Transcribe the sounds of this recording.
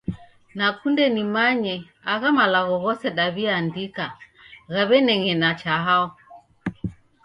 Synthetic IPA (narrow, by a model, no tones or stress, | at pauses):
nakundɛnimaɲɛ | aɣamalaɣɔɣɔsɛɗaβiandika | ɣaβɛnɛŋɛnat͡ʃaɦaɔ